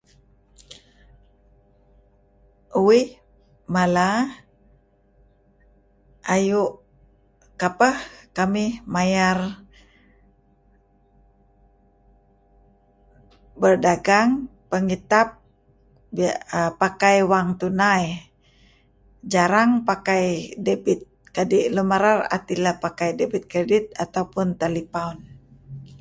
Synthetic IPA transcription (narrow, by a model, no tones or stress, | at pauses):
uwih | mala | ʔajuʔ | kapəhkamihmajar | bərdaɡaŋpːəŋit̪ap̚ | bəpakajwaŋt̪unaj | d͡ʒaɾaŋpakajdebɪt̪̚ | kadiʔlumaɾara̰t̪ilahpakajdebit̪̚kɾedit̪̚at̪aupʊnt̪alipaun